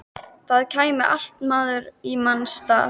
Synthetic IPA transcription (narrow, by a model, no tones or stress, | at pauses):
θaðcʰaːjmɪʔal̥t̪maːðʏɾimanst̪a̰ː